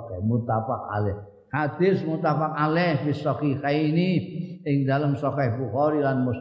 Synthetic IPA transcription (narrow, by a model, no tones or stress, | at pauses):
kɛhmut̪afak̚a̰lɛh | had̪̥ɪsmut̪afak̚alɛhbisɔkikainiɪŋd̪aləmsɔkɛhbuxɔɾilanmu